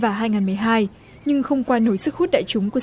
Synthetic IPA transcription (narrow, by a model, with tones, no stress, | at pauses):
vaː˨˩ɦaː˧jŋaː˨˩nmɨ˨˩əjɦaː˧j | ɲɨ˧ŋxə˧wŋ͡mkwaː˧no˨˦jsɨ˦˥k̚hu˦˥t̚ɗa̰ː˧˨jt͡ɕʊ˨˦ŋ͡mku˧˩ə